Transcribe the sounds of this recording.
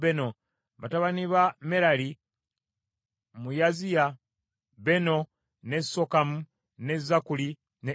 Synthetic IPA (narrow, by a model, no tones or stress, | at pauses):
beno̞ | βataβaniβame̞ɾali | mujazija | βe̞no | nesokamu | ne̞zakuli | ne